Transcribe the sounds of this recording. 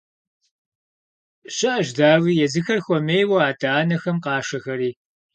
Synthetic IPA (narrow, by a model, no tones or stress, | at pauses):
ɕɪʔɐʒdaːwiːjɛzɨxɐrxʷɔmejwɐaːtʰʼaːnɐxɐmqɑːʂɐxɐɾiː